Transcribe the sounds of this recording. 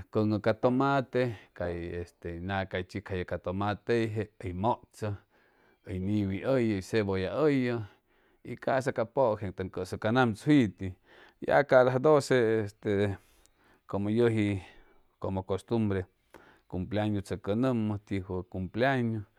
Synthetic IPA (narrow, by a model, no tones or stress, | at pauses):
koŋəkat̪omat̪ekajest̪enakajt͡ʃikʰajakat̪omat̪ejɦeəjmoʔt͡sə | əjniwiʔəjəjseβojaəjə | ikas̬akapoʔkeŋt̪aŋkəsəkanamt͡shit̪i | ja̰kad̪ahd̪oseest̪e | komojəɦi | komokost̪umbɾe | kumplaɲot͡səkənəmət̪iɦwəkumplaɲo